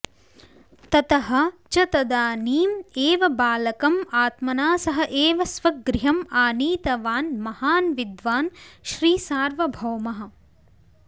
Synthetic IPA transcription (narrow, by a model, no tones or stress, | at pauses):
t̪ɐt̪ɐɦɐ̆t͡ʃɐt̪ɐd̪aːniːmeːʋɐbaːlɐkɐmaːt̪mɐnaːsɐɦɐʔeːʋɐsʋɐɡɾɪɦɐmaːniːt̪ɐʋaːnmɐhaːnʋid̪ʋaːnʃɾiːsaːɾʋɐbʱɐwmɐɦɐ̆